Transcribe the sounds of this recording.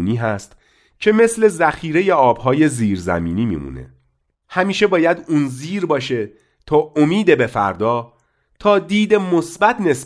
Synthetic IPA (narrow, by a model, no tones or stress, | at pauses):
niːɦæst̪ | cʰe̞me̞sle̞zæxiːɾeje̞ɒːbhɒːje̞ziːɾzæ̰miːniːmḭmṵːne̞̰ | hæmiːʃe̞bɒːjæd̪uːnziːɾbɒːʃe̞ | t̪ʰɒːʔomiːd̪e̞be̞fæ̰ɾd̪ɒː | t̪ʰɒːd̪iːd̪emo̞sbæt̪ʰne̞s